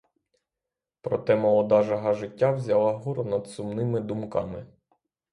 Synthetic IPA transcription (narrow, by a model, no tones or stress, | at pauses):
pɾɔ̰t̪ɛmɔlˠɔd̪ɑʒɐɦɑʒɪtʲːawzʲɐlˠɑɦuɾʊnɐd̪sʊmnɪmɪd̪ʊmkɑ̰mɪ